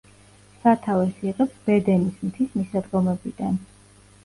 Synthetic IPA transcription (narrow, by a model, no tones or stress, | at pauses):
sat̪ʰavɛsiqʼɛpsb̥ɛd̪ɛnismt̪ʰismisad̪ɡɔmɛbid̪̥an